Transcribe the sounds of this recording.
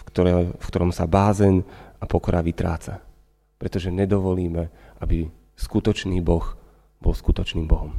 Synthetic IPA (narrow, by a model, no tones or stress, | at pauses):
kt̪ɔɾfkt̪ɔɾɔmsabaːzɛnapɔkɔɾʔaʋit̪ɾa̰ːt͡sa | pɾɛt̪ɔʒɛɲɛd̪ɔʋɔliːmɛʔabi | skut̪ɔt͡ʃniːbɔx | b̥ɔlskut̪ɔt͡ʃniːmbɔɦɔm